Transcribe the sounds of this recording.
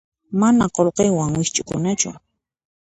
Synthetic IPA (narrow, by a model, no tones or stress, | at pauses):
manaqolqejwaŋwɪʃt͡ʃʼʊkʊnat͡ʃʊ̰